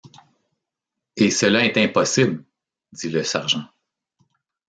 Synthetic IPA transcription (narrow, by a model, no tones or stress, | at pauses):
esəlaɛt̪ɛ̃pɔsɪbl | d̪d͡z̪iləsaʁʒɑ̃